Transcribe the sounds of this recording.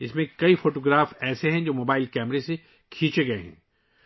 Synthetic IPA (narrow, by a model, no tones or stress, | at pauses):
ɪsmẽkɐifoːʈoːɡɾaːfɛːseɦɛ̃d͡ʒoːmoːbaːɪlkɛːmɾese | kʰĩːt͡ʃeɡɐeɦɛ̰̃ː